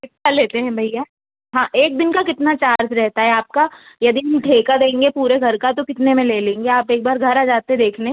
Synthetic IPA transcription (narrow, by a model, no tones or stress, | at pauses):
ɪt̪ːaleːt̪eɦɛ̃bʱɐjjaː | ɦãːʔeːk̚d̪ɪnkakɪt̪nat͡ʃaːɾd͡ʒɾɛɦt̪aɦɛaːp̚kajɐd̪iɦɐmʈʰeːkad̪ẽːŋɡepuːɾeɡʱɐɾkat̪okɪt̪nemẽleːlẽːŋɡeaːpeːk̚baːɾɡʱɐɾad͡ʒaːt̪eɛ̃d̪eːkʰne